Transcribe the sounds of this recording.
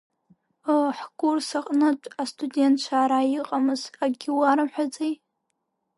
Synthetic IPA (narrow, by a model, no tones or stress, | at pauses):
əħɡʷursaqʼnɨt͡ʃʷʼastʰʼudʲe̞ntʰt͡ʃʷʰaːɾajiqʼamɨzaɡʲiwaɾɨmħʷᶣad͡zej